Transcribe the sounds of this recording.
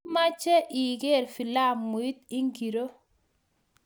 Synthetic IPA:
ma˦t͡ʃɛ˦ʔi˨ɡe˦˨ɾfi˨la˦˨mːu˨i˦t̪̚i˦ŋɡi˨ɾo˦

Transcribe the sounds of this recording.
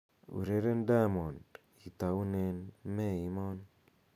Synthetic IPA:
ṵ˨ɾe˦ɾe˦nda˦mɔ˨nd | i˨t̪a˨u˦ne˨nmɛ˦i˦mɔ˦n

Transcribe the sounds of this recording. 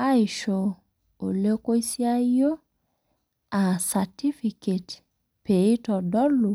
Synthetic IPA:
a˦ɪ˨ʃo˨ | o˨le˦ko˦i˦sja˦jo˦ | a˨sa˨ti˦fi˨ke˨t | pe˨i˦tɔ˨dɔ˦lu˨

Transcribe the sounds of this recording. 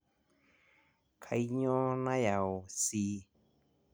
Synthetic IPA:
kʰa˧˨i˦ɲõ˦nã˦ja˨o˨si˧˦

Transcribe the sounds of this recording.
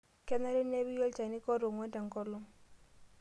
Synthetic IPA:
kɛ˦na˦ɾɛ˦nː˦e˦βi˦jɔ˦lt͡ʃa˨ni˦kɔ˦ɾo˨ŋwɛ˦nta˨ŋ˨kɔ˦lʊ˦ŋ

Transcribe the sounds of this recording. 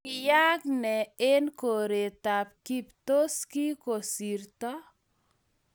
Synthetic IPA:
ja˦knɛ˨e˦nko˨ɾe˨ta˨p̚ki˦pto˦ski˦ko˨si˨rt̪ɔ˦

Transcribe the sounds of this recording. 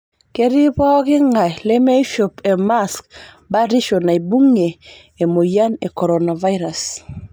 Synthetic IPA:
ke˦ɾi˦pɔ˦kɪ˦ŋa˨lɛ˦me˦i˦ʃo˨pe˨ma˦sk | ba˦ɾi˦ʃo˨na˨i˨bu˦ŋe˨ | e˨mo˨ja˦ne˨koɾona˨va˦jɾa˨s

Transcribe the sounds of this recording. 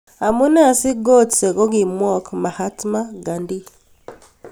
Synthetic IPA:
a˨mu˦na˦˨si˦ɡo˦˨tse˨ɡo˦ɡi˨mwɔ˦kma˨ha˦tma˦ɡa˨ndi˦

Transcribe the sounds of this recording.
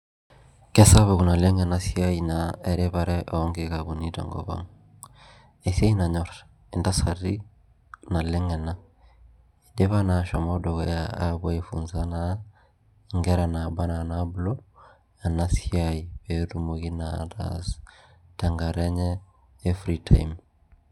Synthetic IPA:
kɛ˦sa˦βo˨ku˨na˨le˦ŋɛ˨na˦si˦a˦i˨nae˨ɾe˦βa˦ɾɛ˦ʔɔ˦ŋɡe˦ka˨ku˨ni˦ta̰˨ŋɡɔ̰˨βa̰˦ŋ | e˨sa˦i˦na˨ɲɔ˦ɾ | e˨nda˦sa˨ɾi˦ | na˨lɛ˦ŋɛ˨na˦ | i˨de˦βa˦na˨ʃɔ˨mɔ˦dɔ˨ɣɔ˨˦jaa˦βa˦e˦fṵ˨nza˦na | ŋɡɛ˦ɾa˨na˨ba˦na˨nablɔ˦ | a˨na˦si˦ai˨be˨ɾu˦moki˦nada̰z | ta˨ŋɡa˨ɾɛ˦ɲɛː˦ | fɾitʰa˦m

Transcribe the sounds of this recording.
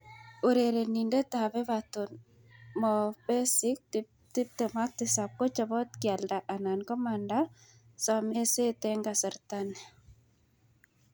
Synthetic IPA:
o˨ɾe˨ɾe˨ni˨nde˦ta˨βɛ˦βaton | mɔ˨bɛ˦sɪ˦k̚t | ti˦p̚tɛ˨ma˦k̚tɪ˨sa˨p̚ko˦t͡ʃa˨βɔ˦t̚kja˨lda˨ʔa˨na˨nkɔ˦manda˦ | sɔ˨me˦se˦tɛ˦ŋɡa˨sɛ˨ɾta˦ne˨

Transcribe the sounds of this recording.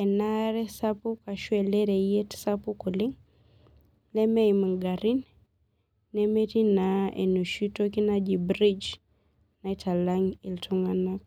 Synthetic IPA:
ɛ˨na˦ɾɛ˦sapu˦ka˨ʃwɛ˨le˦ɾe˨je˦tsapu˦ku˨li˦ŋ | lɛ˦mɛ˦ima˨ɡa˨ɾi˦nː | ɛme˦ti˦naḛ˨nu˨ʃu˦to˦ki˦na˦d͡ʒi˨bɾi˦d͡ʒ | na˨ita˨la˦ŋi˨ltʰu˦ŋa˨nak̚

